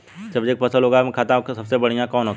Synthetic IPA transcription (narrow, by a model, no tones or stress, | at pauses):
d͡ʒɐbd͡ʒeːk̚pɐsəlɦoːɡamkʰaːt̪aksɐbsebɐɽ̤ijãkɔːnɦok